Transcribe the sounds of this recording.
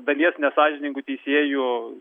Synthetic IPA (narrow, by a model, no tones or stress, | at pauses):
d̪ɐlʲiɛsnʲɛsɑːʒʲɪnʲɪŋɡʊt̪ʲɛɪsʲeːjʊ